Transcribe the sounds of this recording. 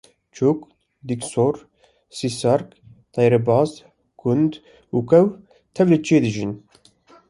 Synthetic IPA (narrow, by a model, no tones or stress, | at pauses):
t͡ʃʰuk | d̪iksoɾ | sisɑɾkt̪ɑjɾɛbɑːz | ɡ̥und̪ | uːkɛw | t̪ʰɛvlet͡ʃʰeːd̪ɨʒin